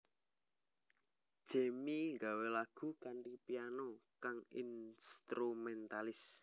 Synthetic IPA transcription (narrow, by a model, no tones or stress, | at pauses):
d̥ʒ̥ɛ̤miŋɡawelaɡ̥ṳkanripijanokaŋḭnst̪ɾumɛnt̪alɪs